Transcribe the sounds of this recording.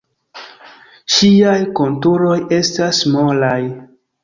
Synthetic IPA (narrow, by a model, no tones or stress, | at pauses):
ʃiajko̞ntuɾo̞je̞stasmolaj